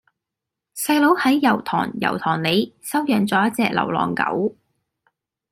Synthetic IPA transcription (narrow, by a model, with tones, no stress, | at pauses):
sɐ˧jlo˨˥whɐ˨˥jːɐ˨˩wt̪ʰɔ̰ː˨˩ŋjɐ̰˨˩wt̪ʰɔː˨˩ŋle˨˧jsɐ˥wjœː˨˩ŋt͡sɔː˨˥jɐ˥t̚t͡sɛː˧k̚lɐ̰˨˩wlɔ̰ː˨˩ŋkɐ̰˨˥w